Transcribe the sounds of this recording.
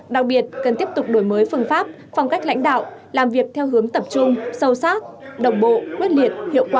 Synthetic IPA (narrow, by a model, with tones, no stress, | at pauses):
ɗa˨˩k̚ɓi˨˩ət̚kə˨˩nt̪i˦˥əp̚t̪ʊ˨˩k͡p̚ɗo˧˩jməː˨˦jfɨ˧ənfaː˦˥p̚ | fa˧wŋ͡mka˦˥k̟̚la̰˧˥jŋ̟ɗa̰ː˧˨wlaː˨˩mvi˨˩ək̚t̪ʰɛ˧wɦɨ˨˦əŋt̪ə˨˩p̚t͡ɕʊ˧ŋ͡msə˧wsaː˦˥t̚ɗə˨˩wŋ͡mɓo̰˧˨kwi˦˥ət̚li˨˩ət̚hḭ˧˨əwkwaː˨˩